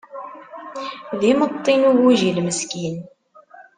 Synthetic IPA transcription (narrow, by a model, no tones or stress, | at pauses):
ðimət̪ˤːinuwuʒilməskin